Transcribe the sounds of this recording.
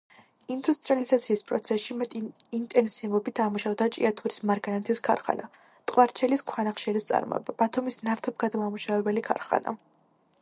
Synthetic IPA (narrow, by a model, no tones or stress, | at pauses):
ind̪ust̪ʼɾializat̪sʰiːspʼɾɔt̪sʰɛsʃimɛt̪ʼiint̪ʼɛnsivɔbit̪ʰamuʃavd̪at͡ʃʼḭat̪ʰuɾismaɾɡanat̪ʰiskʰa̰ɾχa̰na | t̪ʼqʼwaɾt͡ʃʰɛliskʰwanaχʃɛlist̪sʼa̰ɾmɔ̰ɛ̰bab̥at̪ʰumisnaɾt̪ʰɔp̚ɡad̪mamuʃavɛbɛlikʰa̰ɾχa̰na̰